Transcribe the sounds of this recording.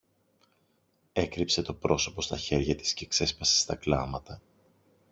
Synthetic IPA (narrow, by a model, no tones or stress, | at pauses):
e̞kɾipse̞t̪o̞pɾo̞so̞po̞st̪ɐçe̞ɾʝɐt̪i̥sce̞ːkse̞spɐse̥st̪ɐklɐmɐt̪ɐ